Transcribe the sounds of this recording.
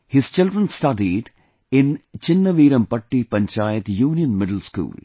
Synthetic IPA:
hɪz̥t͡ʃɪlɖɾə̃nsʈɐɖiɖ | ɪ̃nt͡ʃɪnːɐʋiːɾɐmpɐʈːipɐ̃ɲt͡ʃaːjɪt̪juːnijə̃nmɪɖəlskṵːl

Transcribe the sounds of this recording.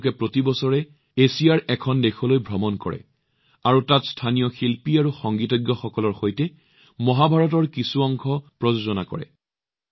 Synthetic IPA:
kɛpɹotibɔsɔɹɛ | esijaɹɛkʰɔndexʰɔlojbʱɹɔmɔnkɔ̰ɹɛ̰ | aɹutatstʰanijɔxilpiaɹuxɔŋɡitɔɡjɔxɔkɔlɔɹxojtɛ | mɔɦabʱaɹɔtɔɹkisuɔŋkʰɔpɹɔzozɔnakɔ̰ɹɛ̰

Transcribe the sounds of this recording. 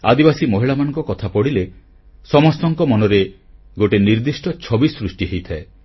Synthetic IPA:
a̰d̪ibasimɔɦiɭamanɔŋkɔkɔt̪ʰapɔɽile | sɔmɔst̪ɔŋkɔmɔnɔɾe | ɡoʈeniɾd̪isʈɔt͡ʃʰɔbisɾusʈiɦejt̪ʰae

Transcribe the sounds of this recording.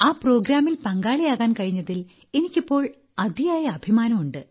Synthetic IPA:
aːpro̞ːɡɾaːmilpɐŋɡaːɭijaːɣaːnkɐɻiɲːɐðil | e̞nikʲːipːo̞ːɭ | ɐd̪ʱijaːjɐːbʱimaːnɐmuɳɖɨ

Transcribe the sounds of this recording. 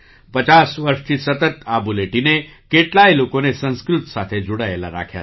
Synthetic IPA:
pət͡ʃasʋəɾʃt̪ʰisət̪ət̪abuleʈine | keʈlailokonesə̃nskɾʊt̪sat̪ʰed͡ʒoɽaela̰ɾa̰kʰja̰

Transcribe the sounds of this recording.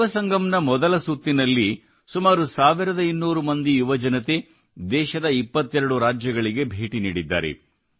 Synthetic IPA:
ʋɐsɐŋɡɐmnɐmɔd̪ɐlɐsut̪ːinɐlːi | sumaːɾusaːʋiɾɐd̪ɐinːuːɾumɐnd̪ijuʋɐd͡ʒɐnɐt̪e̞ | d̪ɛːʃɐd̪ɐipːɐt̪ːɛɾɐɽuɾaːd͡ʒjɐɡɐɭiɡe̞bʱeːʈiniːɽid̪ːa̰ːɾḛ

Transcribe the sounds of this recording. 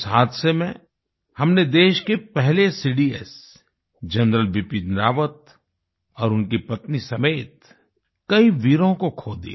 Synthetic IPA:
sɦaːt̪ʰsemḛ̃ | hɐmned̪eːʃkepɛɦlesiːɖiːɛ̰s | d͡ʒɐnɾəlʋɪpid̪ɾaːʋət̪̚ | ɔːɾʊnkipɐt̪nisɐmeːt̪ | kɐiʋiːɾõkokʰoːd̪ḭ

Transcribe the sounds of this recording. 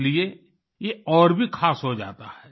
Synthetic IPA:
lie | jeɔːɾbʱikʰaːsɦod͡ʒa̰ːt̪aɦɛː

